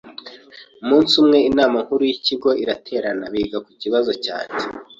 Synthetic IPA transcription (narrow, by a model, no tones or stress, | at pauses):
umuːnsumŋe̞inaːmaŋ̥huɾujiciɡo̞ʔiɾatʰe̞ːɾanaβiɡaku̥ciβazo̞ca̰ːɲe